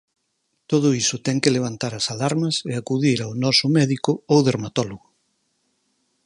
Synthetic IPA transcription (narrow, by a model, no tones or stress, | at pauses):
t̪oð̞ʊisʊt̪ɛŋkɪleβ̞ant̪aɾasalaɾmɐseakuðiɾawnɔsʊmɛðikʊowðeɾmat̪ɔloɣʊ